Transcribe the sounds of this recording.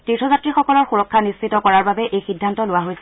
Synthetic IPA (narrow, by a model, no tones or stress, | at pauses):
titʰɔzatɹixɔkɔlɔɹxuɹɔkʰːanist͡ʃitɔkɔɹaɹbabɛʔejxidʱːantɔlʊwaɦojsɛ̥